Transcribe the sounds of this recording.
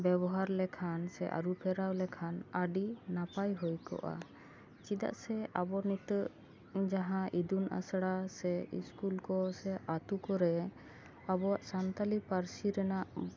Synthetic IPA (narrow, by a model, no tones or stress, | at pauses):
bɛbɔɦaɾlɛkʰansɛʔa̰ɾupʰɛɾawlɛkʰanaɖinapajɦɔjkɔ̰ʔa̰ | t͡ʃid̪a̰ʔsɛabɔnit̪əʔ | d͡ʒaɦãʔid̪unʔa̰sɽasɛḭskulkɔsɛʔat̪ukɔɾɛ | abɔwaʔsant̪alipaɾsiɾɛnaʔ